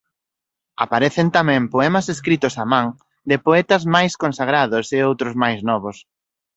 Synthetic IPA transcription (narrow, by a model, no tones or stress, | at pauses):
apaɾɛθent̪amɛ̃ŋpoɛmɐseskɾit̪ʊsamãŋ | d̪ɪpoɛt̪ɐzmajskonsaɣ̞ɾaðʊseowt̪ɾʊzmajznɔβ̞ʊs